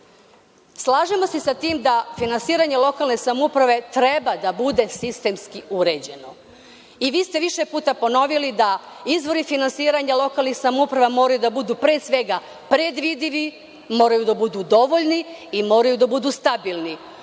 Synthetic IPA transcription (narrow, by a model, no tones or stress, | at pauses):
slˠaːʒemo̞sesat̪iːmd̪afinansiːɾaɲelo̞kalˠne̞samoupɾaʋe̞t̪ɾe̞bad̪abud̪e̞sist̪e̞mskiuɾe̞d͡ʑe̞no̞ | iʋiːst̪e̞ʋiʃe̞puːt̪apo̞no̞ʋilid̪aizʋo̞ɾifinansiːɾaɲalˠo̞kaːlnixsamoupɾaʋamo̞ːɾajud̪abud̪uːpɾesʋe̞ɡa | pɾe̞d̪ʋid̪iʋi | mo̞ːɾajud̪abud̪ud̪o̞ʋoʎniːmo̞ːɾajud̪abud̪uːst̪abilˠni